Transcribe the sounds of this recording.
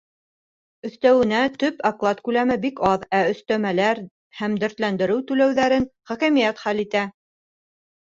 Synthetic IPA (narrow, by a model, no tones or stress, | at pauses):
ɵ̆θt̪æwɘ̆næt̪ɵpɑklˠɑt̪kʉlæmɘbikɑðæɵ̆θt̪æmælæɾ | hæmd̪ɵ̆ɾt̪lænd̪ɘ̆ɾɘwt̪ʉlæwðæɾɘnχækæmijæt̪χælit̪æ